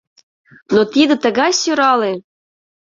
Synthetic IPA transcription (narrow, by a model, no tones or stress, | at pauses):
not̪id̪ə̆t̪əɣɑsʲyɾɑlˠe